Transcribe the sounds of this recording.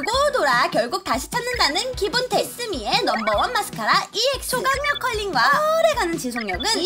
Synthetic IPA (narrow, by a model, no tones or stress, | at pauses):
ɡodoɾakjʌɭɡuk̚taɕʰi̥t͡ɕʰanːɯndanɯnkibunte̞s͈ɯmie̞nʌmbʌwʌnmːas͈ʰɯ̥kʰaɾaʔiɦek̚s͈ʰoɡaŋɲjʌkʰʌʎːinɡwaɾe̞ɡanɯnt͡ɕisʰoŋɲjʌŋɯn